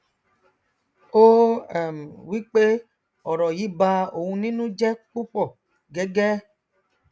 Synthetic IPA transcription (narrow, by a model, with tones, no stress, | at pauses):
o˦ɛ˨m˨wi˦k͡pe˦ | ɔ˨ɾɔ˨ji˨˦ba˧o˨wũ˧nĩ˦nũ˦d͡ʒɛ˦k͡pu˦k͡pɔ˦˨ | ɡɛ˦ɡɛ˦